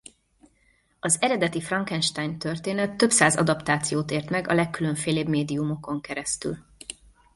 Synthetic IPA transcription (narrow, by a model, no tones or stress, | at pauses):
ɒzɛɾɛd̪ɛt̪ifrɒŋkɛnʃt̪aːjnt̪ørt̪eːnɛt̪ːøpsaːzɒ̰d̪ɒpt̪aːt̪sijoːt̪eːrt̪mɛɡɒ̰lɛkːyløɱfeːleːbmeːd̪iumo̞ko̞ŋkɛɾɛst̪y̰l